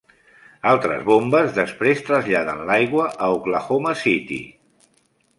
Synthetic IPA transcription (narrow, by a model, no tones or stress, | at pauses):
alˠt̪ɾə̰zβombəzðəspɾest̪ɾəzʎaðənlajɣwəʔəuɣlaxoməsit̪ḭ